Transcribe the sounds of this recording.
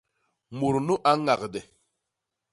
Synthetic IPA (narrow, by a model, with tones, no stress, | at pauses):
mu˨ɾnu˦ʔa˦ŋa˨kdɛ˨